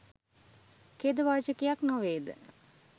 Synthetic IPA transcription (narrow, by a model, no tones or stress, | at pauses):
ked̪əʋaːd͡ʒəkijaknoʋeːd̪ə̰